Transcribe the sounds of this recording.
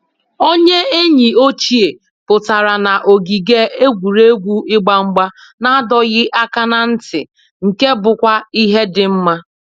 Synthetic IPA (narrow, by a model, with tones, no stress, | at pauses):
o˦ɲe˦e˦ɲi˨o˦t͡ʃi˦e˨ | pʊ˨ta˨ɾa˨na˨ʔo˨ɡi˨ɡe˦e˦ɡʷu˨ɾe˦ɡʷu˦ɪ˦ɡ͡ba˦ŋ͡m̩˦ɡ͡ba˦ | na˦a˦dɔ˨ɣɪ˦ʔa˦ka˦na˦n̩˦tɪ̰˨ | ŋ̩˨ke˦bʊ˨kʷa˦i˦ɦe˦dɪ˨m̩˦ma˦